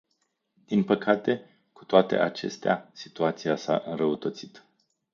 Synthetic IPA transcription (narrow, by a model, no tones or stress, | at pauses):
d̪̥inpəkat̪e̞ | ku̥t̪oat̪e̞̰ʔat͡ʃe̞̰st̪ea̰si̥t̪uat̪sijasa̰ʔɨnrəut̪ət̪sit̪